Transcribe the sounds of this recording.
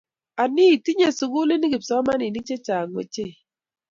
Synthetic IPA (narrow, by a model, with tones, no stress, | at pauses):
a˨ni˦i˨ti˦ɲe˦su˨ɡu˦le˦ni˦ɡi˨psɔ˨˦ma˦ni˨ni˦t͡ʃe˦t͡ʃa˨ŋwḛ˨t͡ʃe˦